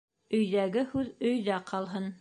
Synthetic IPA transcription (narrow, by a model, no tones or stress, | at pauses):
ɵ̆jðæɡɘhʉðɵ̆jðæqʰɑlˠɦɤn